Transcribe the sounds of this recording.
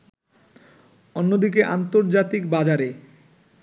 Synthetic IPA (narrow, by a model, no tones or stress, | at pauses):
onːod̪ikeʔa̰nt̪oɾd͡ʑat̪ikbad͡ʑaɾe